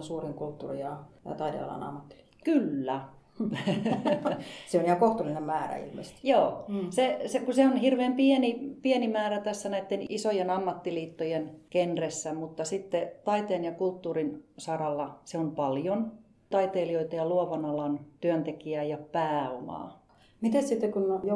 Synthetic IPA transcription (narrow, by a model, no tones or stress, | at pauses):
suːriŋkult̪ːuːrijɑjɑ̰t̪ɑit̪ḛɑ̰lɑ̰nɑ̰mːɑt̪ːi̥li̥ːt̪kːkylːæ | seonihɑkoht̪ulːinemmæːræ̰ḭlmḛst̪i̥joːsesekuseonhirʋeːmpiɛnipiɛnimæːræt̪æsːænæit̪ːenisojenɑmːɑt̪ːiliːt̪ːojenkenresːæmut̪ːɑsit̪ːet̪ɑit̪eːnjɑkult̪ːuːrinsɑrɑlːɑseompɑljon | t̪ɑit̪eːlioit̪ɑjɑluɑʋɑnɑlɑnt̪yønt̪ekiæjɑpæːomɑ̰ː | mit̪essit̪ːekunjo